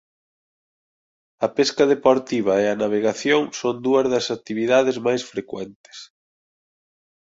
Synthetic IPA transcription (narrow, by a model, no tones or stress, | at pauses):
ɐpeskɐðepoɾt̪iβ̞ɐeɐnaβ̞eɣaθjoŋsond̪uɐzðɐsak̚t̪iβiðaðezmajsfɾekwɛnt̪ɪ̥s